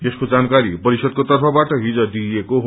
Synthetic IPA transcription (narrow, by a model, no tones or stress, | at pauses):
t̪eskod͡zankaɾipʌɾisʌd̪̚kot̪ʌrpʰʌbaʈʌɦid͡zʌd̪ieko